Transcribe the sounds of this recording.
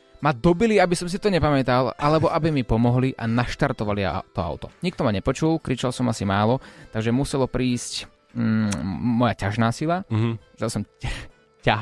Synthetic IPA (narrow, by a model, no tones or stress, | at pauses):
mad̪ɔbiliabisɔms̬it̪ɔɲɛpamɛt̪alʔalɛbɔʔabimipɔmɔɦliʔa̰naʃt̪aɾt̪ɔʋalḭt̪ɔa̰ʊt̪ɔɲik̚t̪ɔmaɲɛpɔt͡ʃulkɾit͡ʃalsɔmasimaːlɔt̪aɡʒɛmusɛlɔpɾiːsc | mɔjacaʒnaːsilḁzɛlsɔm | ca